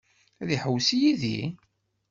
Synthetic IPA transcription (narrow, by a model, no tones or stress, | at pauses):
æðiħəwsijiðḭ